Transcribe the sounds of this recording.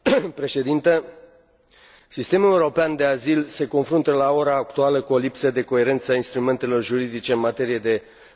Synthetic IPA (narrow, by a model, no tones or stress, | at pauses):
pɾe̞ʃe̞d̪int̪ə | sist̪e̞mule̞uɾo̞peand̪e̞azilse̞ko̞nfɾunt̪əlao̞ɾaːkt̪ualəkuo̞lipsəd̪e̞ko̞e̞ɾe̞nt̪sainst̪ɾume̞nt̪e̞lo̞rʒuɾid̪it͡ʃeɨnmat̪e̞ɾije̞d̪e̞